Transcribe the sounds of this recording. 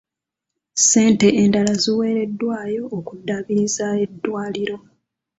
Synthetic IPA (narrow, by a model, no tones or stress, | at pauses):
se̞ːnteeːndalaziwe̞ːɾe̞dːwaːjo̞ːkudːaβiɾizae̞dːwaːliɾo̞